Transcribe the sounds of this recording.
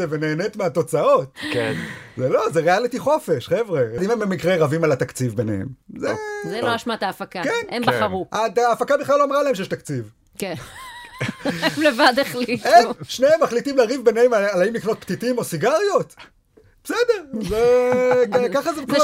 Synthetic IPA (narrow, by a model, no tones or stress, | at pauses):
evene̞ːnet̪meat̪o̞t͡sao̞tkḛnzelo̞zeʁealit̪iχo̞fe̞ʃχevʁed̪imembemikʁeʁavimalat̪akt͡sivbenḛhḛmzezeloaʃmat̪aːfakakenembaχaʁuʔat̪aːfakabeχlaloamʁalae̞mʃejeʃt̪akt͡siv | ke | levad̪eχliemʃneemːaχlitimleːʁivbe̞nehemalaimlikno̞t̚pt̪itimo̞siɡaʁjo̞t̪ | besedeʁzekkaχaze